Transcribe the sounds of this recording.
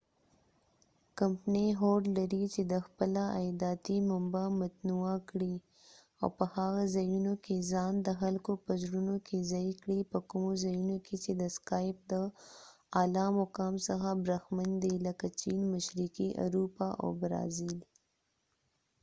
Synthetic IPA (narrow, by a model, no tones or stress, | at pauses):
kampneɦoɾɖlaɾit͡ʃed̪əxpəlaajd̪ɑt̪imʊmbamat̪nuakɽi | a̰wpəhaɣazajunokezɑnd̪əxalkopəzɾunokʰezaikɽipəkʊmozajunokʰet͡ʃed̪əskɑjp̚d̪ə | ɑlɑmʊkɑːmsəxabɾaxmand̪iləkat͡ʃinmaʃɾikiʔa̰ɾupaʔa̰wbɾɑ̰zil